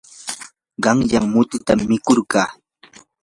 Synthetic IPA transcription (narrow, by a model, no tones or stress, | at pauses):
ɢɑŋjaŋmʊt̪ɪt̪amːɪkoɾɢɑː